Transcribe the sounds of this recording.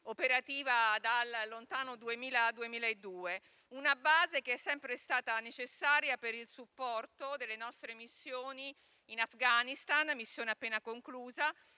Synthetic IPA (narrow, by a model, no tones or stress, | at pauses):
opeɾat̪iːvad̪alːont̪aːnod̪uemiːlad̪uemiːlaed̪ːuːe | unabaːzekeɛsːɛmpɾest̪aːt̪anet͡ʃesːaːɾjapeɾilsupːɔrt̪od̪elːenɔst̪ɾemisːjoːni | inafɡanist̪anmisːjoːneapːeːnakoŋkluːza